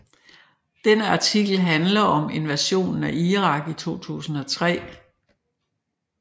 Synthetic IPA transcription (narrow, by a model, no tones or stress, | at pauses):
d̥enəɑ̈t͡sʰiɡ̥l̩ɦænlɐɒ̽me̝nʋæɕo̝̰ːnn̩æʔiːʁɑ̈ɡ̥it͡sʰo̝̰ːt͡sʰṵːsn̩ɒ̽t͡sʰʁɛ̰ː